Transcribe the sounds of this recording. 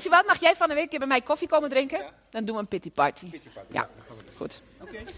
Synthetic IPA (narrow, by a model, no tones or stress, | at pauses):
ɪsjəʋɔtmaxjɛjfɔnəʋɪk̚ɡɪbɛmɛjkofikoməndrɪŋkə | dɔndunʋəənpɪtipaɹtʰija̰xṵt